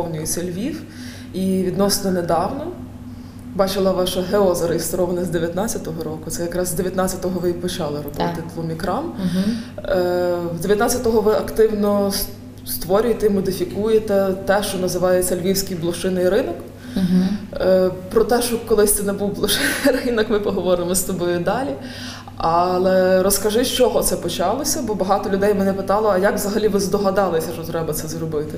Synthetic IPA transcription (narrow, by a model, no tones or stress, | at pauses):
pɔwnʲʊjt͡sʲɐlʲʋʲiw | iʋʲid̪nɔsnɔned̪ɑwnɔ | bɑt͡ʃɪlˠɐʋɑʃɐɦeɔzɐɾejist̪ɔɾɔʋnɐzd̪eʋʲjɐt̪nɑt͡sʲɐt̪ɔɦɔɾɔkʊt̪sɛjɐkɾɑzzd̪eʋʲjɐt̪nɑt͡sʲɐt̪ɔɦɔʋɪpɔt͡ʃɑlˠɪɾɔd̪ʋɑt̪ɪd̪ʋɔmʲikɾɑm | zd̪ʲeʋjɐt̪nɑt͡sʲjɐt̪ɔɦɔʋɪɐkt̪ɪwnɔ | st̪ʋɔɾʲʊjet̪ɛimɔd̪ɪfʲikujet̪ɛt̪ɛʃt͡ʃɔnɐzɪʋɑjett͡sʲːɐlʲʋʲiwsʲkijblˠɔʃɪnɪjɾɪnɔk̩ | pɾɔt̪ɛʃt͡ʃɔkɔlˠɪsʲt̪ɪnɛbuwblˠɔʃɪnɪjrɪnɔkmɪpɔɦɔʋɔɾɪmɔst̪ɔbɔjʊd̪ɑlʲi | ɑlˠɛɾɔskɐʒɪʃt͡ʃɔɦɔt̪sɛpɔt͡ʃɑlˠɔsʲɐbɔbɐɦɑt̪ɔlʲʊd̪ɛjmɛnɛpɪt̪ɑlˠɔɐjakʋzɐɦɐlʲiʋɪzd̪ɔɦɐd̪ɑlˠɪsʲɐʃt͡ʃɔt̪ɾɛbɐt̪sɛzɾɔbɪt̪ɪ